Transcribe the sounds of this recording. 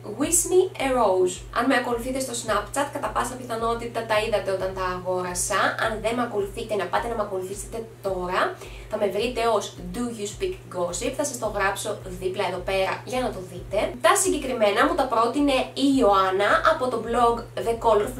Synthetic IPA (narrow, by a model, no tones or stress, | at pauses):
ɣwisnieɾowz | ɐ̰nmeɐko̞luθit̪e̞st̪o̞snɐpt͡ʃɐt̪kɐt̪ɐpɐsɐpiθɐno̞t̪it̪ɐt̪ɐiðɐt̪e̞o̞t̪ɐnt̪ɐːɣo̞ɾɐsɐɐ̰nðe̞mɐko̞luθit̪enɐpɐt̪e̞nɐmeɐko̞luθist̪it̪e̞t̪o̞ɾɐ | θɐme̞vɾit̪e̞o̞zd̪uʝuspikɡo̞sipθɐsɐst̪o̞ɣɾɐpso̞ðiplɐeðo̞pe̞ɾɐʝɐnɐt̪o̞θit̪e̞t̪ɐsiɲɟe̞kɾime̞nɐmut̪ɐpɾo̞t̪ine̞io̞ɐnɐʔɐpo̞t̪o̞blo̞ɡðe̞ko̞lf